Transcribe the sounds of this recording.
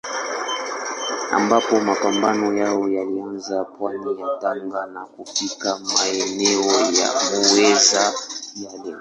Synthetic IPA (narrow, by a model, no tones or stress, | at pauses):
a̰mbapɔmapambanɔjawɔjalianzapwanijataŋɡanakupikamaenɛɔja̰mowezajale